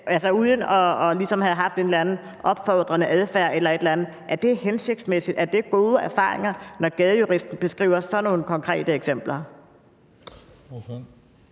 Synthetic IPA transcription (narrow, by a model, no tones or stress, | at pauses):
ælsɐuð̞ˠən̩ɒ̽ːlisɒ̽mhæðˠɦɑ̈fd̥e̝ːnlænð̩ˠ | ʔɒ̽b̥fɒd̥ʁɐnəʔæð̞ˠfæɐ̰ʔelɐe̝d̥lænð̩ˠʔæɐd̥e̝ɦense̝ɡ̥d̥smesid̥æɐd̥e̝ɡ̥o̝ːð̞ˠəæɐfɑ̰̈ːʁe̝ŋɐnɒɡ̥ɛð̞ˠəjuʁisd̥n̩b̥e̝sɡ̥ʁḭːʊ̰ɐsɒ̽no̝ːnəkʰɒ̽ŋkʰʁɛ̰ːd̥əeɡ̥sem̰b̥lɐ